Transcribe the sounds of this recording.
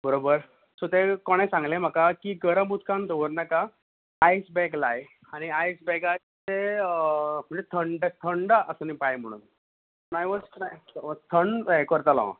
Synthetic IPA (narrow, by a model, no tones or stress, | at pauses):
bəɾobəɾ | sot̪ekɔɽ̃ẽsãŋɡlẽm̤akakiɡəɾəmut̪kand̪oʋəɾnaka | ajsbɛklaj | aɽ̃iajsbɛka | t͡se | m̤əɳd͡zet̪ʰəɳɖt̪ʰəɳɖaʔəsənipajm̤əɽ̃ṵːn | ənajʋɔd͡znajt̪ʰəɳɖekəɾt̪alã̰